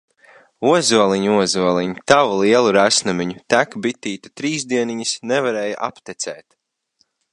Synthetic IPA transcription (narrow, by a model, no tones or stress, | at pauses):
uɔzuɔlˠiɲuuɔzuɔlˠiɲut̪avulˠiɛlˠuɾæsnumiɲut̪ækbit̪ːiːt̪ḁt̪ɾiːzd̪iɛniɲisnevaɾɛːjaʔa̰pt̪ɛt̪sʲɛ̰ːt̪